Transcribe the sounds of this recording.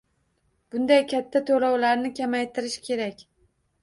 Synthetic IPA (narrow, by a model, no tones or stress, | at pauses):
b̥ʊnd̪ajkʲʰat̪ʰːat̪ʰolɒwlaɾnɪkʲʰamajt̪ʰɪɾɪʃkʲʰe̞ɾakʲ